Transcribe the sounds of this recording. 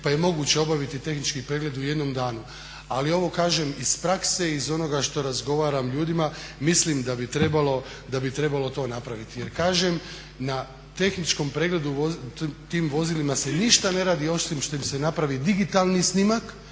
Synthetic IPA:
paje̞mo̞ɡut͡ɕe̞o̞baʋit̪it̪e̞xnit͡ʃkipɾe̞ɡle̞d̪uje̞d̪no̞md̪aːnu | alio̞ʋo̞kaːʒemispɾakse̞izo̞no̞ɡaʃt̪o̞ɾazɡo̞ʋaːɾamʎuːd̪imamislimd̪abit̪ɾe̞balo̞ | d̪abit̪ɾe̞balo̞t̪o̞ːnapɾaʋit̪ije̞ɾkaːʒem | na | t̪e̞xnit͡ʃko̞mpɾeːɡle̞d̪uot̪iːmʋo̞zilimase̞niʃt̪ane̞ɾaːd̪io̞simʃt̪o̞imse̞napɾaʋid̪iɡit̪alˠnisnimak

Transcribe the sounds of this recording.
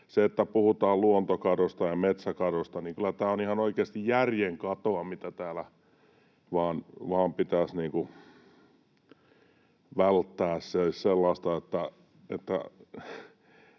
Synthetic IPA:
seet̪ːæpuhut̪ɑːlluont̪okɑdost̪ɑjɑmet̪sækɑdost̪ɑniŋkylːˑæt̪æːonihɑnoikeɑst̪ijjærjeŋkɑt̪oɑmit̪æt̪æːlæ | ʋɑːnʋɑːmpit̪æsniːŋku | ʋælt̪ːæːssesselːɑːst̪ɑet̪ːæ | ḛt̪ːæ̰

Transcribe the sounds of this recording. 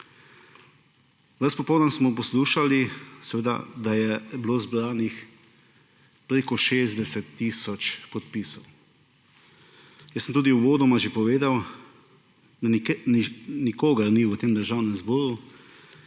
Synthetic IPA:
ʋəspɔpɔwdnənsmɔpɔsluːʃalisɛʋeːd̪a̰d̪ajɛbloːzbɾaːnix | pɾeːkɔʃeːzd̪ɛsɛt̪ːiːsɔt͡ʃpɔt̪̚piːsɔw | jəsəm̩t̪uːd̪iuʋoːd̪ɔmaʒepɔʋeːd̪aw | ninikoːɡaɾniʋət̪eːmd̪əɾʒaːwnɛmzbɔːɾu

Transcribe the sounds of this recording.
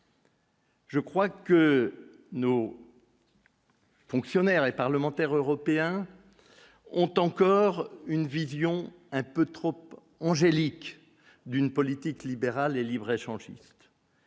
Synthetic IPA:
ʒəkχwakə | no | fɔ̃ksjɔnɛʁepaʁləmɑ̃t̪ɛʁøʁɔpeɛ̃ | ɔ̃t̪ɑ̃kɔʁynvizjɔ̃ | ɛ̃pøt̪χɔp | ɑ̃ʒelik | d̪ynpɔlit̪iklibeʁalelibʁeʃɑ̃ʒḭst̪

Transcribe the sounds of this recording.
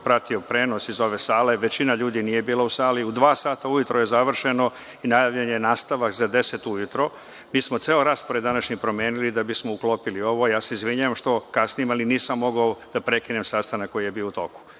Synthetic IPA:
pɾat̪io̞pɾe̞ːnosizo̞ʋe̞saːle̞ʋe̞t͡ɕinaʎuːd̪iniːje̞biːlausaːliud̪ʋaːsaːt̪aujut̪ɾoje̞zaʋr̩ʃe̞no̞ | inajaʋʎenejenaːst̪aʋakzad̪e̞se̞t̪ujut̪ɾo̞ | miːsmot̪seːloɾaːspoɾed̪anaʃɲipɾo̞mje̞ːnilid̪abismo̞uklo̞ːpilio̞ʋo̞jaːse̞izʋiɲaʋamʃt̪o̞kasnijimaliniːsamːo̞ɡaod̪̥apɾe̞kinemsaːst̪anakːojije̞biout̪o̞̰ku̥

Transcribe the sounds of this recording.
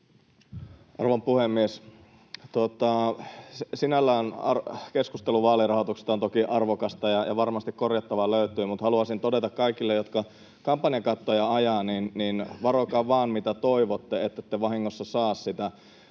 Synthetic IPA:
ʔɑ̰rʋɑmpuhemːies | t̪uot̪ɑ | sinælːæːnɑ̰rkeskust̪eluʋɑːlirɑhot̪ukse̥t̪ɑont̪okiʔɑrʋokɑst̪ɑjɑjɑ̰ʋɑrmɑst̪ikkorjɑt̪ːɑʋɑløyt̪yːmut̪hɑluɑsint̪odet̪ɑkkɑikilːejot̪kɑ | kɑmpːɑnijɑkɑt̪ːojɑɑjɑːninːinʋɑrokɑʋʋɑːnmit̪æt̪oiʋot̪ːeet̪ːæt̪ːeʋɑhiŋːosːɑsɑːssit̪æ

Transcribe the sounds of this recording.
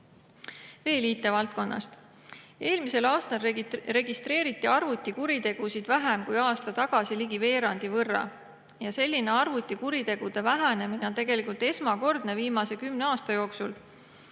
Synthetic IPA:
ve̞ːliːt̪ːe̞vɑlt̪̚ko̞nːɑ̰st̪ | e̞ːlmise̞lɑːst̪ɑlre̞ɡist̪ɾe̞ːɾit̪ˑːiɑrvut̪ʲːˑikuɾit̪e̞ɡ̥usid̪̥væɦemkujɑːst̪ɑt̪ɑɡ̥ɑsiliɡ̥ive̞ːɾɑnd̪̥ivɤrːɑ̰ | jɑse̞lʲːine̞ɑrvut̪ʲːˑikuɾit̪e̞ɡ̥ud̪̥e̞væɦæne̞mineo̞nt̪e̞ɡe̞likˑult̪e̞smɑko̞rd̪̥ne̞viːmɑse̞kymneɑːst̪ɑjo̞ːksul

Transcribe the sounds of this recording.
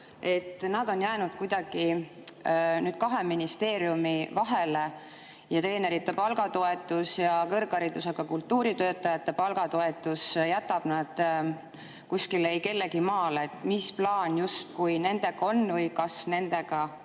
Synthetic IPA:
e̞t̪ːˑnɑd̪̥o̞njæːnud̪̥kujd̪̥ɑɡ̥i | nyːd̪̥kɑɦe̞minist̪e̞ːɾiumivɑɦe̞le | jɑt̪ɾe̞ːne̞ɾit̪ːe̞pɑlɡɑt̪oe̞t̪ːˑusjɑkɤrɡɑɾid̪useɡ̥ɑkult̪ːuːɾit̪øːt̪ːˑɑjɑt̪ːe̞pɑlɡ̥ɑt̪oe̞t̪ːˑusjæt̪ːˑɑb̥nɑd̪̥ | kuskilejke̞lːe̞ɡ̥imɑːleet̪ːˑmisplɑːnjust̪kujne̞nd̪̥e̞ɡ̥ɑo̞nvɤjkɑsne̞nd̪̥e̞ɡ̥ɑ

